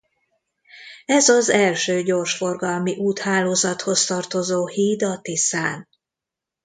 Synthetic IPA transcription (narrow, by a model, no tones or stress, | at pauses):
ɛzɒzɛlʃøːɟo̞rʃfo̞rɡɒlmiʔuːt̪haːloːzɒt̪ho̞st̪ɒrt̪o̞zoːhiːd̪ɒt̪isaːn